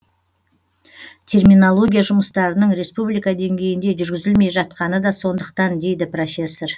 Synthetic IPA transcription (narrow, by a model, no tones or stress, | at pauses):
t̪ʲʰe̞rmʲinolˠo̞ɡʲijaʒʊməst̪ɑɾənəɴɾe̞spublijkɑd̪e̞ŋɡʲe̞jɪnd̪e̞ʒʏɾɡʲɪzɪlme̞jʒɑt̪qɑnəd̪ɑso̞nd̪əqt̪ɑnd̪e̞jd̪ɪpro̞fʲe̞sːor